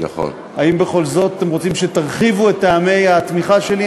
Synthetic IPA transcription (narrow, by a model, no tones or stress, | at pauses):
na̰χo̰n | aimbe̞χo̞lzo̞tatemʁo̞t͡simʃetaʁχivuetːaːme̞jat̪miχaʃe̞li